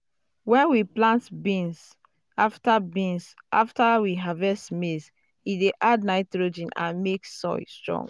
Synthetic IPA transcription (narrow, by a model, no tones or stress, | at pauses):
wɛ̃nwiplãntbĩns | aftabĩnsʔaftawiɦavɛstmes | ideʔadnaɪtɹod͡ʒĩnã̰nmeksɔ̰jstɹɔ̰̃ŋɡ